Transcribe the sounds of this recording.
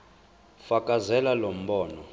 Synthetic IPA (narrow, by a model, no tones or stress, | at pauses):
fakʼazɛlalom̩bɔːnɔ